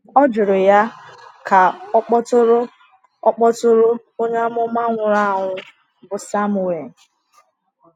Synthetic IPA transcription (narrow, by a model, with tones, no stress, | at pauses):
ɔ˦d͡ʒʊ˨ɾʊ˨ja˦kʰa˨˦k͡pɔ˦tʊ˦ɾʊ˦ | ɔ˦k͡pɔ˦tʊ˦ɾʊ˦ | o˦ɲe˦a˦mʊ˦ma˦ŋʷʊ˨ɾa˦˨ɦʊ˦ | bʊ˨sa˦mu˨e˨